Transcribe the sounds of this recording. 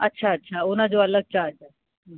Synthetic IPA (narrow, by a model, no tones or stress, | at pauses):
ətːʃʰaətːɕʰaːʊnad͡ʑoɐləɡ̚t͡ɕaːd͡ʑa | ɦə